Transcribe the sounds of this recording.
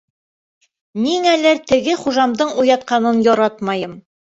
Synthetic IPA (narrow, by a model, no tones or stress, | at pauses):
miŋælæɾt̪ɘ̆ɡɘχuʒɑmd̪ɤɴujɑt̪̚qɑnɤnjɒɾɑt̪mɑjɤm